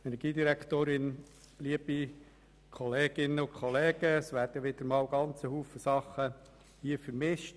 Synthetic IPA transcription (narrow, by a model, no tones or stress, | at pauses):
ɛnɛɡ̥iːdiɾækt̪oːɾɪn | liəb̥i | kʰɔleːɡ̥ɪnːəʊkʰχɔleːɡ̥əsʋæːɾd̥əʋɪd̥̪əɾmɑːwɡɑnt͡səhuːfəsɑχə | hiəfəɾmɪʃt